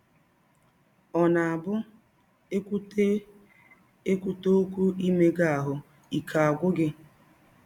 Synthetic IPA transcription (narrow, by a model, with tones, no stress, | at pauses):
ɔ˨na˨a˨bʊ˦ | e˦kʷu˦to˦kʷu˦i˦me˦ɡa˦˨a˨ɦʊ˨ | i˨kʰa˨a˨ɡʷʊ˦ɡɪ˦